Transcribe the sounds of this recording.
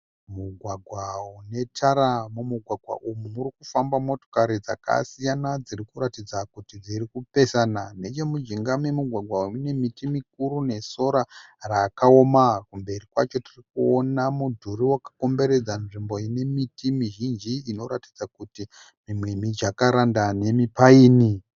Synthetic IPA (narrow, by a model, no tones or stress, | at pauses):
muɡʱwaɡʱwaune̞tʰaɾamumuɡʱwaɡʱwa̰ʔumumuɾikufambamo̞to̞̥kaɾid͡za̰ka̰sijanad͡zirikuɾatid͡zakutid͡zirikupesanane̞t͡ʃe̞mud͡ʒiŋɡamemuɡʱwaɡʱwauune̞mitimik̚uɾune̞so̞ɾaraːkaomakumbe̞rikwa̰t͡ʃo̞tirikuonamudʱuɾiwakḁko̞mbe̞ɾe̞d͡zanʐimbo̞ine̞mitimiʒind͡ʒiino̞ɾatid͡zakuti | mimwemid͡ʒakaɾandane̞mipaiːni